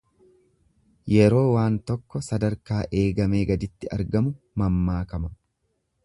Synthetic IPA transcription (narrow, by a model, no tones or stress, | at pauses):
jɛɾo̞ːwaːnt̪ɔkːɔsɐd̪ɐɾkaːʔe̞ːɡɐme̞ːɡɐd̪ɪt̪ːɪɐ̰ɾɡɐmʊ | mɐmːaːkɐmɐ